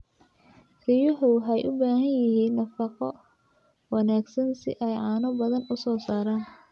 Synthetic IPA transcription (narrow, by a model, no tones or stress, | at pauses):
rɪjʊħʊɦɛjʔʊbaːɦɐnjɪɦiːnːɐfɑqɔ | wɑnaːɡsɐnsɪ̰ʔɛjʕɑːnɔbɐðɐnʊsɔːsaːɾaːn